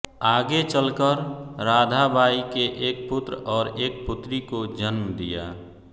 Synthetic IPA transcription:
aːɡet͡ʃəlkəɾɾaːd̪ʱabʱaːikeʔeːk̚pʊt̪ɾɔːɾeːk̚pʊt̪ɾikod͡ʒənmd̪ija̰ː

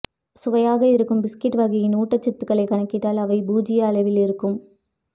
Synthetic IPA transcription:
sʊʋɐjaːɣɐɪɾɯkːɯmbɪskɪʈːʋɐɣɐjɪnuːʈːɐt͡ʃːɪt̪ːɯkːɐɭɐɪkɐɳɐkːɪʈːaːlɐʋɐɪbuːd͡ʒɪjɐːɭɐʋɪlɪɾɯkːɯm

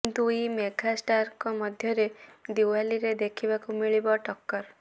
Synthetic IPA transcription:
int̪uimeɡasʈaɾkɔmɔd̪ʱjɔɾed̪iwaliɾed̪ekʰibakumiɭibɔʈɔkːɔɾ

